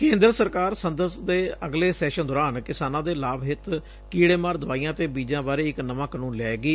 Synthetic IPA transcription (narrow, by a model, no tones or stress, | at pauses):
kẽːnd̪ɾəsəɾkaːɾsənd̪əsd̪eːəɡleːsɛːʃənd̪ɔːɾaːnkɪsaːnãːd̪eːlaːbɦɪt̪ | kiːɽeːmaːɾd̪ʊʋaːiːjãːt̪eːbiːd͡ʒãːbaːɾeːɪknəʋãːkənũːnlɛːɡiː